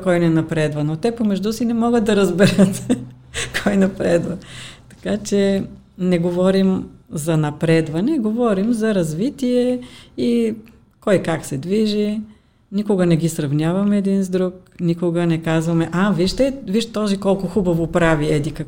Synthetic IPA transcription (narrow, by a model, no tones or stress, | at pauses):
kɔjnɛnɐpɾɛd̪vɐnot̪ɛpomɛʒd̪usinɛmɔɡət̪d̪ɐɾɐzbɛɾət̪ | kʰɔjnɐpɾɛd̪vɐt̪ɐ̥kat͡ʃɛ | nɛɡovɔɾimzɐnɐpɾɛd̪vɐnɛɡovɔɾimzɐɾɐzvit̪iɛi | kɔjkaksɛd̪viʒi | nikʊɡənɛɡisɾɐvnʲjavɐmɛːd̪inzd̪ɾuknikʊɡənɛkazvɐmɛʔaviʃt̪ɛviʃt̪ɔzikɔlˠkʊxubɐvopɾaviɛd̪ikə